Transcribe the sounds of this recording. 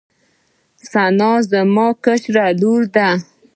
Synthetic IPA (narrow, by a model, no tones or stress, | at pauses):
sanɑzəmɑkət͡ʃɾaluɾd̪a